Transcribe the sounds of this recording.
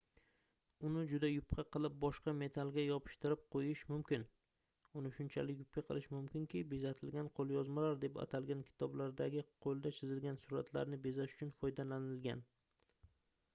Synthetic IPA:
ʊnɪd͡ʒʊd̪ajʊpqʰɑqɨlˠɪp̚bɒʃqɑme̞t̪ʰalˠɡʲajɒpʰɪ̥ʃt̪ɪɾɪp̚qʰojɪʃmʊmkʲɪn | ʊnɪʃʊnt͡ʃʰa̰lɪkʲjʊp̚kʲaqʰɨ̰lˠɪʃmʊmkʲɪŋkʲɪbezat̪ʰɪlɡʲanqʰolˠjɒzmalaɾd̪e̞pa̰t̪ʰalˠɡʲankʲʰɪ̥t̪ʰɒblaɾd̪aɡʲɪqʰolˠd̪at͡ʃʰɪzɪlɡʲansʊɾat̪ʰla̰ɾnɪbezaʃʊ̥t͡ʃʰʊnfɒjd̪alanɪlɡʲa̰n

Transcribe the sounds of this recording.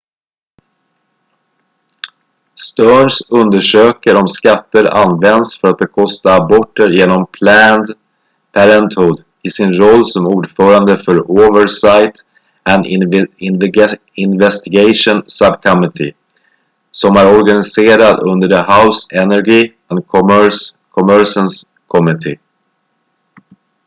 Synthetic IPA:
st̪œːɳʂɵnd̪əʂøːkəɾɔmskat̪ːəɾa̰nvɛnd̪sfœɾat̪̚bɛkʰɔst̪aːbɔʈːəɾjeːnɔmpʰlænd̪ | pʰæɾɛnt̪hʊːd̪ | ɪsɪnɾɔlːsɔmuːɖfœːɾand̪əfœɾoːvəɾsajt̪ | ænd̪ɪnv | ɪnvɛst̪ɪɡajʂʊnsabkʰamɪt̪ʰɪ̰ | sɔmæɾɔɾɡanɪseːɾad̪ɵnd̪əɖəhaʊsɛnæɾɡi | ɛnkʰɔms | kʰɔmœɾsəns | kʰɔmɪt̪ʰɪ̰

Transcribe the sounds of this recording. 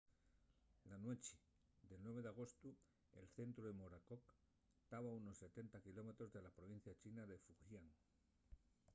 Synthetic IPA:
lanwet͡ʃi̥ | d̪elnwe̞β̞e̞ðaɣ̞o̞st̪u | ḛlθe̞nt̪ɾuemoɾakok | t̪aβauno̞sːe̞t̪e̞nt̪akilo̞me̞t̪ɾo̞zðe̞lapɾoβ̞in̟θjat͡ʃinaðe̞fuɣjaŋ

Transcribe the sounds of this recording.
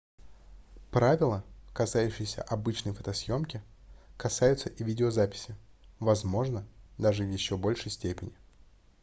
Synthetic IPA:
pɾavʲɪlˠəkɐsajʉɕːɪjɪsʲə̰ʔɐbɨt͡ɕnəjfət̪ɐsʲjo̞mkʲɪkɐsajʊt̪səʔɪvʲidʲɪozapʲɪ̥sʲɪvɐzmo̞ʐnəd̪aʐɨvjɪɕːo̞bo̞lʲʂəjsʲtʲepʲɪnʲɪ

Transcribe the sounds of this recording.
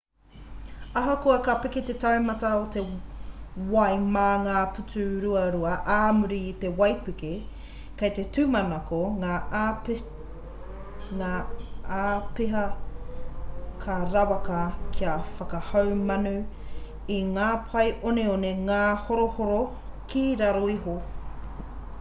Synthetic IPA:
ɐɦɐkuɐkɐpiket̪etɐwmɐtɐot̪e | wɐjmaːŋaːpʰʉt͡sʉɾuɐɾuɐʔaːmuɾiːt̪e̞wɐjpike | kɐjt̪e̞tʉmɐnakoŋa | ŋaːaːpeɦɐ | kʰaɾawɐkɐkʰiɐfɐkɐhawmɐnʉ | iŋaːpʰɐjʔoneoneŋaːhoɾohoɾo | kʰiɾaɾoiɦo

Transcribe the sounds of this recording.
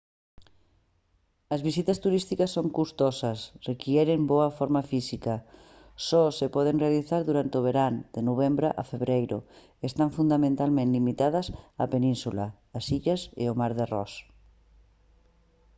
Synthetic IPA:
ɐzβisit̪ɐst̪uɾist̪ikɐsːoŋkust̪ɔsɐsrekjɛɾemboɐfɔɾmɐfisikɐ | sɔsepɔð̞enrealiθaɾðuɾant̪ɪoβ̞eɾand̪̥enoβ̞embɾaʔɐ̰feβɾejɾʊ̰ | est̪aɱfund̪amẽnt̪almẽnt̪imit̪að̞ɐsɐpenĩnsula̰ː | siʎɐsḛomaɾðearɔ̰s

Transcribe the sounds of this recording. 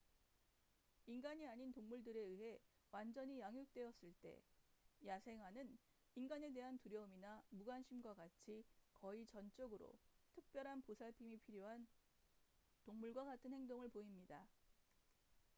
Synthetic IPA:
inɡaɲiaɲintoŋmuɭdɯɾe̞ɯɦe̞ | wand͡ʑʌɲijaŋjuk̚t͈we̞ʌs͈ɯɭt͈e̞̰jasʰe̞ŋɦwanɯn | inɡane̞de̞ɦantuɾjʌɯminamuɡanɕʰimɡwaɡat͡ɕʰikʌit͡ɕʌnt͡ɕ͈oɡɯɾo̰tʰɯk̚p͈jʌɾɦanposʰaɭpʰimipʰiɾjoɦan | toŋmuɭɡwaɡatʰɯnhe̞ŋdoŋɯɭpoimɲida

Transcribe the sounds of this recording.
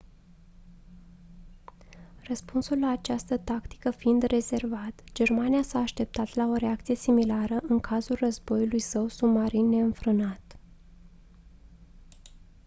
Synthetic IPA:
rəspunsulːaːt͡ʃast̪ət̪akt̪i̥kəfiind̪re̞ze̞rvat̪d͡ʒe̞rmanijasaːʃt̪e̞p̚t̪at̪lao̞ɾeak̚t̪sije̞similaɾəʔɨŋkʰazulrəzbo̞julujsəwsumaɾinːe̞ɨnfɾɨnat̪

